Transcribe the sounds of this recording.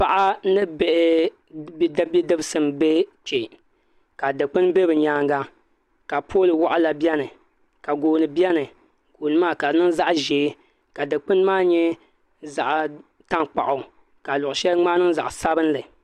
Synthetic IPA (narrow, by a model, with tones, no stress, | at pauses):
pa˦ʔa˦nɨ˦be˦ʔ | bi˦da˦bi˦dɨ˦bɨ˦sɨ˨mbe˦t͡ʃe˨ | ka˨dɨ˨k͡pɨ˦nbe˦bɨ˨ɲaː˦ŋɡa˦ | ka˨pʰoː˦lɨ˨wa˦ʔa˦la˨bjɛ˦nɨ˨ | ka˨ɡoː˨nɨ˨bjɛ˦nɨ˨ | ɡ̥oː˨nɨ˨˦maː˦˨ka˨nɨ˦ŋza˦ʔʒeː˨˦ | ka˨dɨ˨k͡pɨ˦n˦maː˦˨ɲɛ˦ | za˨ʔ | ta˦ŋk͡pa̰˨ʔʊ˨ | ka˨lʊ˨ʔʊ˨ʃɛ˦ŋ͡maː˦nɨ˦ŋ˦za̰˨ʔsa˦bɨ˦n˦lɨ˨